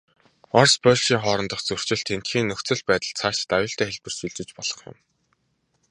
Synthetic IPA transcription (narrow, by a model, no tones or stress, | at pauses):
ɔrspœːɮʃiːŋχɔːɾɞ̆nt̪ɞ̆χt͡sɵr̥t͡ɕɪ̆ɬt̪ʰen̥t̪xiːŋːɵxt͡sɘ̆ɮpæːt̪ə̆ɮt͡sʰaːʃɪ̥t̪ajʊːɬt̪æːxeɮpɘ̆r̥suɮt͡ɕɪ̆t͡ɕpɔɮ̥ɞ̆χjʊ̰̆m